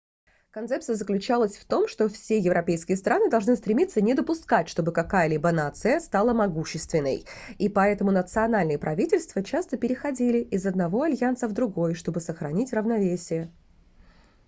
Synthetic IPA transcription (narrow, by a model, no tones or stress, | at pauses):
kɐnt̪sɛp̚t̪ɨjəzəklʲʉt͡ɕalˠəsʲft̪o̞mʂt̪o̞fsʲe̞jɪvɾɐpʲejskʲɪjəst̪ɾʔanɨd̪ɐlˠʐnɨst̪ɾʲɪmʲit̪sənʲɪd̪əpʊskatʲʂt̪o̞bɨkɐkajəlʲibənat̪sɨjəst̪alˠəmɐɡuɕːɪst̪vʲɪnːə̰jipɐɛt̪əmʊnət̪sɨɐnalʲnɨjəpɾʔɐvʲitʲɪlʲst̪vət͡ɕast̪əpʲɪɾʲɪxɐdʲilʲɪʔɪzɐd̪nɐvo̞ɐlʲjansəvd̪ɾʊɡo̞jʂt̪o̞bɨsəxɾɐnʲitʲrəvnɐvʲesʲɪjə